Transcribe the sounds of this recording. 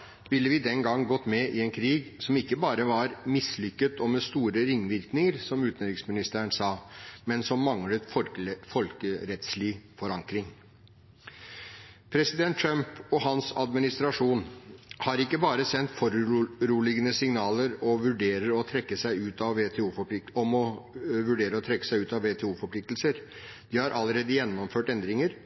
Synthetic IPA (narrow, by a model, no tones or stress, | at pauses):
ʋɪlːəʋɪːd̪ɛnɡɑŋːɡɔt̪ːmɛʔɪɛnkʰɾiːɡsɔmɪkːəbɑːɾəʋɑɾmɪslʏkːət̪ɔmɛst̪uːɾəɾɪŋːʋɪɾknɪŋəɾsɔmʉːt̪nɾɪksmɪnɪst̪ʰæːəɳsɑːmɛnsɔmːɑŋlət̪ffɔlkəɾɛt̪slɪfɔɾɑŋkɾɪŋ | pʰɾɛsɪd̪ɛnt̪ːʰɾœmpɔhɑnsɑ̰d̪mɪnɪst̪ɾɑʂuːnhɑɾɪkːəbɑːɾəsɛnt̪fɔɾʉɾuːlɪɡənəsɪŋnɑːləɾɔʋʉɖeːɾəɾɔt̪ʰɾɛkːəsæɪʉːt̪ɑʋːeːt̪ʰɛuːfɔp̪ɪɔmɔʋʉɖeːɾəɔt̪ʰɾɛkːə̥sæɪʉːt̪ɑʋeːt̪ʰɛːuːfɔpʰlɪkt̪lsəɾ | d̪̥ɪhɑɾʔɑlːəɾeːd̪əjɛnːɔmføːʈɛnd̪ɾɪŋəɾ